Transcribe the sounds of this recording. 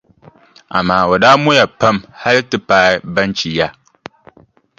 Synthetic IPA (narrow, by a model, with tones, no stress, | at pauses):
ʔa̰˨maː˦wa˨daː˦mʊ˦ja˨pɐ˦mha˦ɾi˦tɨ˦paː˨˦bɐ˦nt͡ʃi˨ja˦